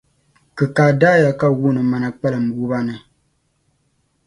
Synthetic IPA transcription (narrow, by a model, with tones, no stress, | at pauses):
kɨ˨kaː˨daː˦ja˨ka˦wu˦˨nɨ˨ma˨na˨k͡pɛ˦lɨ˨m̩˨bu˦ba˦nɨ˨